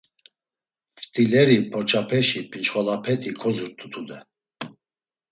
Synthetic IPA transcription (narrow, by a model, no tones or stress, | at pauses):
ft̪ʰʼilɛɾipʰɔɾt͡ʃʼʰapʰɛʃipʰʼint͡ʃχɔlapʰɛt̪ʰʼikʰɔzuɾt̪ʰʼut̪ʰud̪ɛ